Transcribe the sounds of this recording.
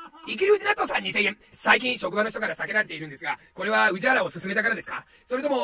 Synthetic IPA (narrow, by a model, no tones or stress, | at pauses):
ik̬ʲiɾɯ̟ːd͡ʑinakt̪ːosãɲ̟ːisẽ̞jẽ̞ | saik̬ʲĩɰ̃ɕo̞kɯ̟bano̞ç̥it̪o̞kaɾasake̞ɾaɾe̞t̪e̞iɾɯ̟nd̪e̞sɨɡako̞ɾe̞βaɯ̟ʑiaɾao̞sɨsɨme̞t̪akaɾad̪esɨ̥ka | so̞ɾet̪o̞mo̞